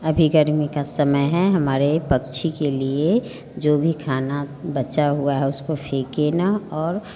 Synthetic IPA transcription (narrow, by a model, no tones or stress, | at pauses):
ɐbʱiɡəɾmikasəməjɦɛɦɐmaːɾepəkt͡ʃʰikelie | d͡ʒoːbʱikʰaːnabət͡ʃaɦuaɦɛʊskofʰeːkenaɔːɾ